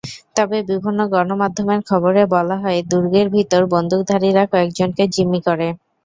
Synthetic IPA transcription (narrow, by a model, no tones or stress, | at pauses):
t̪ɔbebibʱinːoɡɔɾnomad̪ʱːomeɾkʰɔboɾebɔlaɦɔed̪uɾɡeɾbʱit̪oɾbond̪ʱuk̚d̪ʱaɾiɾakɔekd͡ʑonked͡ʑimːikoɾe